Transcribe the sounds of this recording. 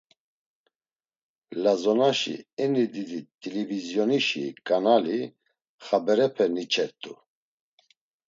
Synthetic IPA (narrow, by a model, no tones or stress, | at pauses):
lazɔnaʃḭɛnid̪id̪it̪ʼilɛvizjɔniʃḭkʼanali | χabɛɾɛpʰɛnit͡ʃʰʼɛt̪ʼu